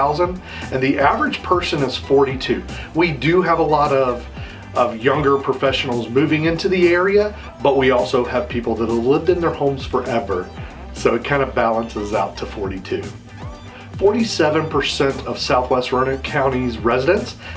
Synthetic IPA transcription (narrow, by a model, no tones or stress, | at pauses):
aʊzə̃nd | ɨ̃nðiʔævə˞ɨd̥d͡ʒ̥pʰɜ˞sɨ̃nɨz̥fɔɹɾitʰʉwidɨəvəlɔɾʌv | ʔʌvjʌ̃ŋɡə˞pʰɹ̥ɨfɛʃn̩l̩ˠzmʉvɪ̃ŋɪ̃ntʰʉðiɛɹiɨ | bʌt̚wiɔlˠsoʊɨv̥pʰipl̩ˠðəɾəlɪvdɨ̃nðə˞hõʊ̃mz̥fə˞ʔɛvə˞ | soʊɨt̚kʰãɪ̃ndəbælˠə̃nsɨzaʊtʰəfɔɹɾitʰʉ | fɔɹɾisɛvɨ̃npʰə˞sɛ̃ntʰʌv̥saʊθwɛst̚ɹʌ̃ʊ̃nɨ̃kʰãʊ̃ɾ̃izɹɛzɨɾɨ̃ns